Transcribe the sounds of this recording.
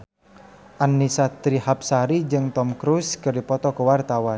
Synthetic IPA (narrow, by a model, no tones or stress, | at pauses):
ʔanːisat̪ɾihap̚saɾid͡ʒɨŋt̪ɔmkɾuskɨrdipɔt̪ɔkəwart̪awan